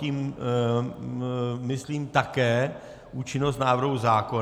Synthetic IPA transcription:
iːm | mɪsliːmt̪akɛː | ʔuːt͡ʃɪnos̬t̪naːvr̩ɦuzaːko

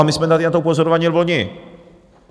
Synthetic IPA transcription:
amɪspɛnd̪at̪nat̪ɔupɔzɔɾɔvaɲɛlvɔɲɛ

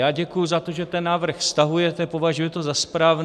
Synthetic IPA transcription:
jaːɟɛkujuzat̪o̞ʒɛt̪ɛnːaːvr̩xfst̪aɦujɛt̪ɛpovaʒujɛt̪o̞zaspɾaːvn

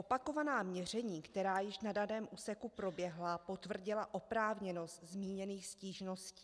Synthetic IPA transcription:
ʔo̞pako̞vanaːmɲɛr̝ɛɲiːkt̪ɛɾaːjɪʃnadanɛːmʔuːsɛkupɾo̞bjɛɦlapo̞t̪vr̩ɟɪlaʔo̞pɾaːvɲɛno̞st̪zmiːɲɛniːxsciːʒno̞sciː

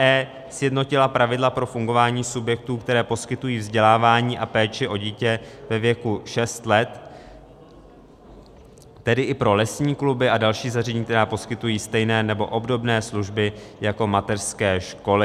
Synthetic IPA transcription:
ʔɛː | sjɛdno̞cɪlapɾavɪdlapɾo̞fuŋɡo̞vaːɲiːsubjɛk̚t̪uːkt̪ɛɾɛːpo̞skɪt̪ujiːvzɟɛlaːvaːɲiːʔapɛːt͡ʃɪʔo̞ɟiːcɛvɛvjɛkuʃɛst̪lɛt̪ | ɛdɪʔɪpɾo̞lɛsɲiːklubɪadalʃiːzar̝ɛɲiːk̚t̪ɛɾaːpo̞skɪt̪ujiːst̪ɛjnɛːnɛbo̞ʔo̞bdo̞bnɛːsluʒbɪjako̞mat̪ɛrskɛːʃko̞lɪ

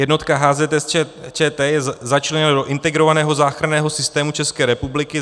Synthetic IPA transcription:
jɛdno̞t̪kaɦaːzɛt̪ɛst͡ʃɛːt̪ɛːjɛzat͡ʃlɛɲɛnadoʔɪnt̪ɛɡɾo̞vanɛːɦo̞zaːxɾanɛːɦo̞sɪst̪ɛːmut͡ʃɛskɛːɾɛpublɪkɪ

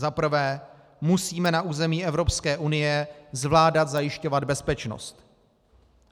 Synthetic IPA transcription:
zapr̩vɛː | musiːmɛnaʔuːzɛmiːʔɛvɾopskɛːʔunɪjɛzvlaːdat̪zajɪʃco̞vad̪̚bɛspɛt͡ʃno̰st̪

